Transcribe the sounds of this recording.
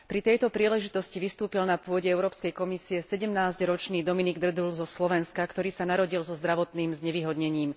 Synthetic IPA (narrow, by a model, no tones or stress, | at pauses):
pɾit̪ɛjt̪ɔpɾiːlɛʒit̪ɔsciʋist̪uːpilnapʊɔɟɛɛʊɾɔːpskɛjkɔmisiɛsɛɟɛmnaːzɟɾɔt͡ʃniːd̪ɔminiɡd̪r̩d̪ulzɔslɔʋɛnskakt̪ɔɾiːsanaɾɔɟilzɔzd̪ɾaʋɔt̪niːmzɲɛʋiːɦɔd̪ɲɛɲiːm